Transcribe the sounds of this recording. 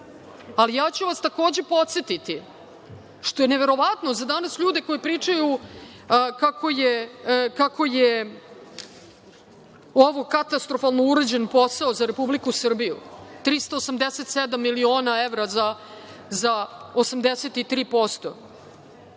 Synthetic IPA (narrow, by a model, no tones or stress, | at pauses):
alijaːt͡ɕuʋast̪ako̞ːd͡ʑe̞po̞t̪set̪it̪i | ʃt̪o̞jeneʋe̞ɾo̞ʋat̪no̞zad̪anasʎuːd̪e̞ko̞jipɾiːt͡ʂaju | kako̞jekakʰo̞je | oʋokat̪ast̪ɾofalˠnouɾed͡ʑenpo̞saozaɾe̞publikusr̩bijṵt̪ɾist̪oːsamd̪eset̪sed̪amːilio̞ːnaeʋɾaza | zaosamd̪eset̪it̪ɾiːpo̞st̪o̞